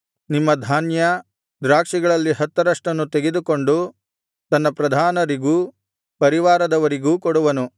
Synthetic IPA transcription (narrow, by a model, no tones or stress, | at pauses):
nimːɐd̪ʱaːnjɐ | d̪ɾaːkʂiɡɐɭɐlːiɦɐt̪ːɐɾɐʂʈɐnːut̪eɡed̪uko̞ɳɖu | t̪ɐnːɐpɾɐd̪ʱaːnɐɾiɡuː | pɐɾiʋaːɾɐd̪ɐʋɐɾiɡuːkɔɽuʋɐnu